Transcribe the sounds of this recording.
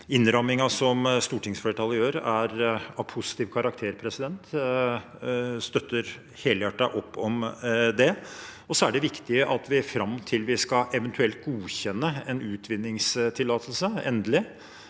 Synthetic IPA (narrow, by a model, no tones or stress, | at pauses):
ɪnːɾɑmɪŋɑsɔmst̪uːʈɪŋsflɛːʈʰɑləjøːɾæɾɑʋpʰʊsɪ̥t̪iːʋkʰɑɾɑkt̪ʰeːɾpʰɾɛsɪd̪ɛnt̪ | st̪œt̪ːəɾ | heːləjæʈːɑʔɔpːɔmd̪ɛ | ɔsɔæɖɛʋɪkt̪ɪəʔɑt̪ʰʋɪfɾɑmːt̪ʰɪlʋɪskɑʔɛʋɛnt̪ʰʉɛlt̪̚ɡuːçɛnːəɛnʉːt̪ʰʋɪnːɪŋst̪ʰɪlːɑːt̪ʰəlsəɛ̰nd̪əlɪ